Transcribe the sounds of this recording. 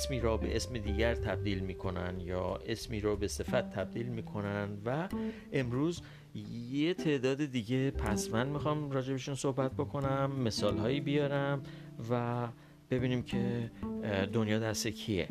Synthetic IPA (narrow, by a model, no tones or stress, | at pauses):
smiːɾɒːbe̞̰ʔe̞smed̪iːɟæɾt̪ʰæb̚d̪iːlmiːkʰo̞næ̰njɒ̰ːe̞smiːɾɒːbe̞se̞fæt̪ʰːæb̚d̪iːlmiːkʰo̞nænd̪væ | e̞mɾuːz | jet̪ʰe̞ʔd̪ɒːd̪ed̪iːɟe̞pʰæ̰smænmixɒmɾɒːd͡ʒe̞beʃunso̞hbæt̪̚bo̞kʰo̞næmːe̞sɒːlɦɒːjiːbijɒːɾæm | væ | b̥e̞biːniːmcʰe̞ | d̪o̞njɒːd̪æɾsekʰijḛ